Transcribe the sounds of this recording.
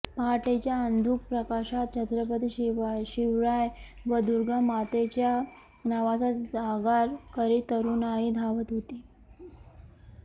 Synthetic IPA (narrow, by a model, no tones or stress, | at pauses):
paʈet͡ɕjaənd̪ʱuːk̚pɾəkaɕat̪̚t͡ɕʰənd̪ɾəpət̪iɕɕiʋɭajʋəd̪uɾɡʱəmat̪et͡ɕja | naʋat͡sad͡zaɡaɾkəɾit̪əɾuːnaɦid̪ʱaʋət̪ɦot̪i